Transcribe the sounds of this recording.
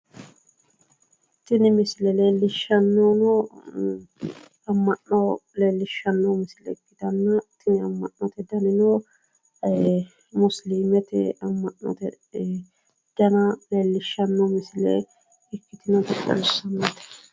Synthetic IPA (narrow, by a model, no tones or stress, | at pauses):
t̪ɪnɪmɪslɛleːlːɪʃɐnːɔnɔ | ɐmːɐnːɔleːlːɪʃːɐnːɔmɪslɛ̰kːɪd̪ɐnːɐt̪ɪnɪɐmːɐnːɔt̪ɛd̪ɐnɪno | mʊslimɛt̪ɛ̰ɐmːɐʔːɔ̰t̪ɛ | d̪̥ɐnɐleːlːɪʃːɐnːɔmɪsɪlɛ̰ | ɪkːɪt̪ɪnɐt̪ɛkʼːɐ̰lsːɐnːoːt̪ɛ̥